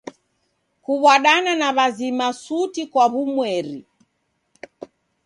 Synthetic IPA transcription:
kuβwaɗananaβazimasutikwaβumwɛɾi

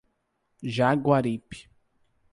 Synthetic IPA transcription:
ʒaɡwaɾipi̥

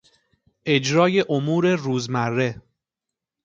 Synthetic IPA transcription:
e̞d͡ʒɾɒːje̞ʔomuːɾe̞ruːzmærːe̞

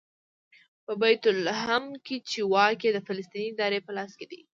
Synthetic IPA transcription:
pəbajt̪ʊlɦamket͡ʃewɑkjed̪əfɪləst̪iniːd̪ɑɾepəlɑsked̪ḭ

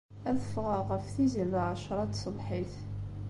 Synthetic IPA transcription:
æðəfʁaʁəfθiziðʕʃɾˤɑt̪sˤəlħiθ

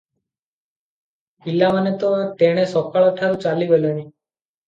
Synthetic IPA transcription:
ɦilːamanet̪oaʈ̪eɽ̃esɔkaɭɔʈʰaɾut͡ʃalibəloni

